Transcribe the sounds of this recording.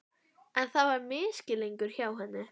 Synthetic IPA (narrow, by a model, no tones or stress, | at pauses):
anθawameːsɡɪlˠɪŋɡʊr̥hjawɦənɨ